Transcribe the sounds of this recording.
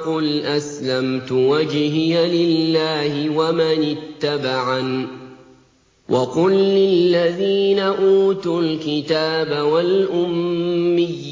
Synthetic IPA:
qʊlʔaslamt̪ʊwad͡ʒhɪjalɪlːaːhɪwamanɪt̪ːabaʕan | wʔɑqʊlːɪlːaðiːnaʔuːt̪ʊlkɪt̪aːbawalʔʊmːɪjː

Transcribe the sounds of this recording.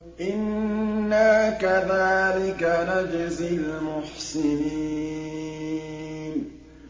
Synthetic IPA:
ʔɪnː | akaðaːlɪkanad͡ʒɪzɪlmʊħsɪni | n

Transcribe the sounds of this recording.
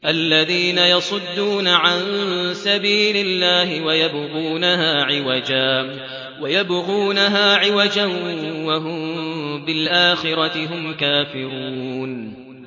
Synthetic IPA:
ʔalːaðiːnajɑsˤʊd̪ːuːnaʕansabiːlɪlːaːhɪwajabɣuːnaɦaːʕɪwad͡ʒaː | wajabɣuːnaɦaːʕɪwad͡ʒanwaɦʊmmbɪlʔaːxɪɾɑt̪ɪɦʊmkaːfɪɾuuːn

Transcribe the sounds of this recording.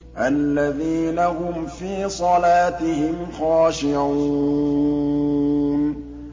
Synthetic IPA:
ʔalːaðiːnahʊmfiːsˤɑlaːt̪ɪhɪmxaːʃɪʕuː | n

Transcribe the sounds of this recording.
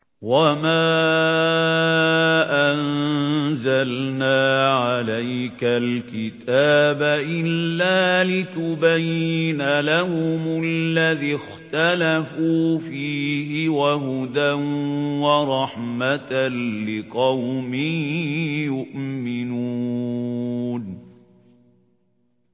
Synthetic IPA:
wamaː | ʔan | zalnaːʕalajkalkɪt̪aːbaʔɪlːaːlɪt̪ʊbajːɪnalahʊmʊllːaðixt̪alafuːfiːhɪwaɦʊd̪anwɑɾˤɑħmat̪anlɪqɑwmɪ | jʊʔmɪnuː | n

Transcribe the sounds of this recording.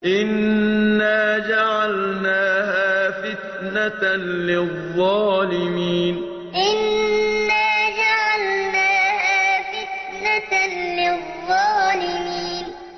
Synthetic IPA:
ʔɪnː | aːd͡ʒaʕalnaːhaːfɪt̪ | nalɪðˤːɑːlɪmiːn | ʔɪnː | aːd͡ʒaʕalnaːhaːfɪt̪̚ | nalɪðˤːɑːlɪmiːn

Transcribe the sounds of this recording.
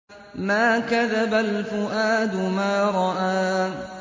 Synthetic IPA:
maːkaðabalfʊʔaːd̪ʊmaːɾˤɑʔaː

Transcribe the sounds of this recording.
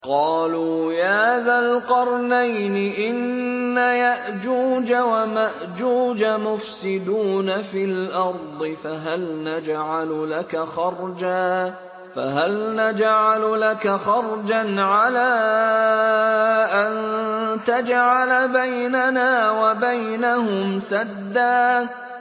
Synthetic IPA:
qɑːluːjaːðaːlqɑɾˤnajnɪʔɪnːajaʔd͡ʒuːd͡ʒawamaʔd͡ʒuːd͡ʒamʊfsɪd̪uːnafilʔɑɾˤd̪ˤɨfaɦalnad͡ʒʕalʊlakaxɑɾˤd͡ʒaː | fa̰ɦalnad͡ʒʕalʊlakaxɑɾˤd͡ʒanʕalaː | ʔant̪ad͡ʒʕalbajnanaːwabajnaɦʊmsad̪ːaː

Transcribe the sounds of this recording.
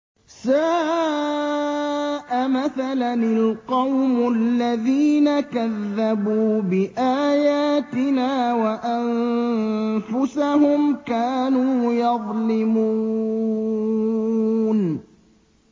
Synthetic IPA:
saː | ʔamaθalanɪlqɑwmʊalːaðiːnakaðːabuːbɪʔaːjaːt̪ɪnaːwaʔan | fʊsahʊmkaːnuːjɑðˤlɪmuː | n

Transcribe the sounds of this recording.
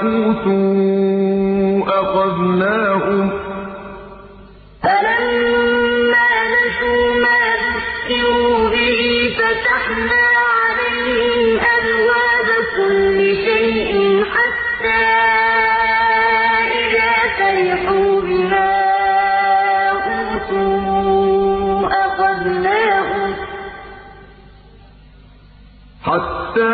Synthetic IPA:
uːt̪u | ʔɑxɑðnaːhʊm | falamː | aːnaduːmaːjʊskɪɾuːbɪhiːfat̪aħnaːʕalajhɪmʔabwaːbakʊlːɪʃajʔɪnħat̪ːaː | ʔɪðaːtaɾɪħuːbɪmaː | ʔuːt̪uː | ʔɑqɑdnaːhʊm | ħat̪ːaː

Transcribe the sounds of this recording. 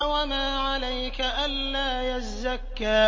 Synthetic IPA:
wamaːʕalajkaʔanːaːjazːakːaː

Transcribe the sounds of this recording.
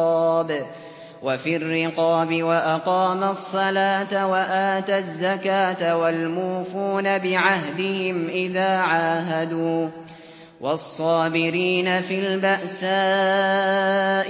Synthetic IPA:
ɑːb | wafirːɪqɑːbɪwaʔɑqɑːmasˤːɑlaːt̪awaʔaːt̪azːakaːt̪awalmuːfuːnabɪʕaɦd̪ɪhɪmʔɪðaːʕaːɦad̪uː | wɑsˤːɑːbɪɾiːnafiːlbaʔsaː | ʔ

